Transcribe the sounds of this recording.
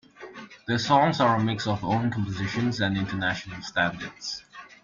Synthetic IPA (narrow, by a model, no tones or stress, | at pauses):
ðəsɔ̃ŋzəɹəmɪksəvõʊ̃nkʰɔ̃mpəzɪʃə̃nzə̃nɪ̃ntʰənæʃənəl̩ˠstæ̃ndə˞ds